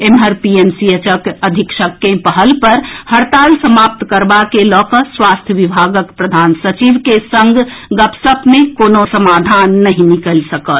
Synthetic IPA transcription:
emɦəɾpiensiət͡ʃəkəd̪ʱikʃəkːẽpəɦəlpəɾhəɾt̪aːlsəmap̚t̪kəɾbakelɔkəswast̪ʰjəʋibʱaɡəkpɾəd̪ʱaːnsət͡ʃiʋkesə̃ŋɡʱɡəpsəpmẽkonosəmad̪ʱanːəɦĩnikəlsəkət̪

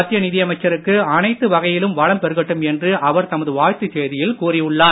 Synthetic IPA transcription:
ɐt̪ːɪjɐnɪðɪjɐmɐɪt͡ʃːɐɾɯkːɯɐnɐɪt̪ːɯʋɐɣɐjɪlɯmʋɐɻɐmpɛɾɯɣɐʈːɯmɛndrɯʔɐʋɐɾt̪ɐmɐðɯʋaːɻt̪ːɯt͡ʃeːðɪjɪlkuːrɪjɯɭːaː

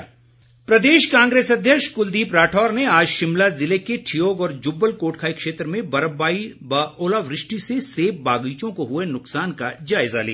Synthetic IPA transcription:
pɾɐd̪eːʃkãːŋɡɾeːsɐd̪ʱjəkʃkʊld̪iːpɾaːʈʰɔːɾneaːd͡ʒʃɪmlazɪlekeʈʰijoːɡɔːɾd͡ʒʊbːəlkoːʈkʰaːikʃeːt̪ɾəmẽbɐɾəbaːiboːlaːʋɾɪʃʈiseseːp̚baːɡiːt͡ʃõkoɦʊenʊksaːnkad͡ʒaːɪzalḭːaː

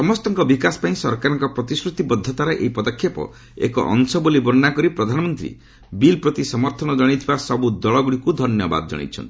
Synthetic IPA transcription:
sɔmɔst̪ɔŋkɔbikasɔ̥paĩsɔɾkaɾɔŋkɔpɾɔt̪isɾut̪ibɔd̪ʱːɔt̪aɾeʔeipɔd̪ɔkʰjapɔ̰ | ḛkɔ̰ʔɔ̰ŋsɔbolibɔɾnakɔɾipɾɔd̪ʱanɔmɔnt̪ɾḭ | bilpɾɔt̪isɔmɔɾt̪ʰɔñɔd͡ʒɔɽ̃it̪ʰibasɔbud̪ɔɭɔɡuɽikud̪ʱɔnjɔba̰d̪ɔd͡ʒɔ̰ɽ̃ḭt͡ʃʰɔ̰nt̪i̥

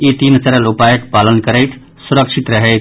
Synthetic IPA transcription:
it̪insəɾəlupajəkpaːlənkəɾəjt̪ʰ | suɾəkʃʰit̪ɾəɦəj̪

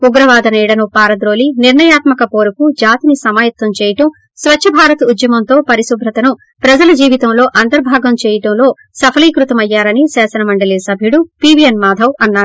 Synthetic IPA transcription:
uɡɾɐʋaːd̪ɐniːɽɐnupaːɾɐd̪ɾo̞ːliniɾɳɐjaːt̪mɐkɐpo̞ːɾukud͡ʒaːt̪inisɐmaːjɐt̪ʋɐmt͡ʃeːjɐʈɐm | sʋɐt͡ʃːʃʰɐbʱaːɾɐt̪ud̪jɐmɐnt̪o̞ːpɐɾisubʱɾɐt̪ɐnu | pɾɐd͡ʒɐlɐd͡ʒiːʋit̪ɐmlo̞ːʔɐnt̪ɐɾbʱaːɡɐmt͡ʃeːjɐʈɐmlo̞ː | sɐpʰɐliːkɾut̪ɐmɐjːaːɾɐnisɛːsɐnɐmɐɳɖɐliːsɐbʱiuɽupiːʋijɐnmaːd̪ʱɐwɐnːaːɾu

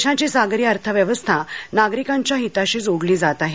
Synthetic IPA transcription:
ɕãt͡ɕisaɡɾiəɾt̪ʰəʋjəʋəst̪ʰanaɡɾikãɲt͡ɕjaɦit̪aɕiːd͡zoɽliːd͡zat̪aɦe

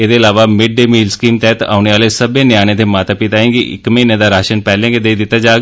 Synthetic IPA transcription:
eːd̪eːɪlaːʋaːmɪɖːeːmiːlskiːmt̪ɛːt̪a̰ːneːʋaːleːsəbẽːnɪjaːñẽt̪eːmaːt̪apit̪aːẽːɡiɪ̰kmẽːnẽːd̪aːɾaːʃənpɛːlẽːked̪eːid̪ɪt̪ːaːd͡ʒaːɡ

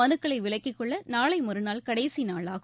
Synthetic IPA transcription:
ɐnɯkːɐɭɐɪʋɪɭɐɪkːɪkːɔɭːɐnaːɭɐɪmɔɾɯnaːlkɐɽɐɪsinaːɭaːɣɯ

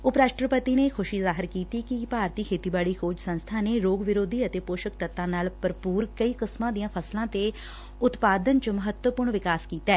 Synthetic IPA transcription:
ʊpɾaːʃʈɾəpət̪iːneːkʰʊʃiːzaːɦɪɾkiːt̪iːkipaːɾt̪iːkʰeːt̪iːbaːɽiːkʰoːd͡ʒsə̃nst̪ʰaːneːɾoːɡʋɪɾoːd̪ʱiːət̪eːpoːʃək̚t̪ət̪ːãːnaːlpəɾpuːɾkəiːkəsmãːd̪ijãːpʰəslãːt̪eː | ʊt̪paːd̪ənt͡ʃəməɦət̪wəpʊɾɳʋɪkaːskiːt̪aɛː

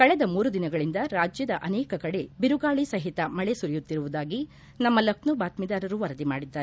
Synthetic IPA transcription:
kɐɭɛd̪ɐmuːɾud̪inɐɡɐɭind̪ɐɾaːd͡ʒjɐd̪ɐʔɐnɛːkɐkɐɽe̞biɾuɡaːɭisɐɦit̪ɐmɐɭesuɾijut̪ːiɾuʋud̪aːɡi | nɐmːɐlɐknubaːt̪mid̪aːɾɐɾuʋɐɾɐd̪ima̰ːɽid̪ːaːɾ

